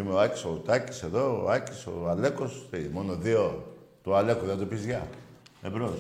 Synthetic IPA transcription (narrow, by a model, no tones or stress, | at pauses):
imeoacʲi̥sout̪ɐci̥se̞ðo̞̰ɐciso̰ale̞kosemo̞noðiot̪uale̞koðet̪opizʝɐebɾo